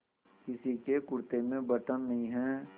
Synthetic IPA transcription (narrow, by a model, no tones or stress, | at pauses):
kɪsikekʊɾt̪emẽbɐʈənːɐɦĩɦɛː